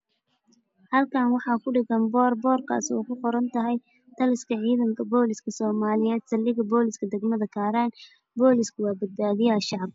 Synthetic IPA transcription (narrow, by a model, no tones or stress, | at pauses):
hɐlkʰaːnwɑħɑːkʰʊɖɪɣɐnbɔːrbɔːrkʰa̰ːsɔ̰ːkʰʊqɔɾɐnt̪ʰɐɦɛj | t̪ʰɐlɪskʰɐʕiːðɐŋkʰɐbɔːlɪskʰɐsɔːmaːlɪjɛːd̪sɐlːɪɣɐbɔːlɪskʰɐd̪ɛɡmɐðɐkʰaːɾaːn | bɔːlɪskʰʊwɑːbɐd̪̚baːðɪjɐʃɑʕɑb̚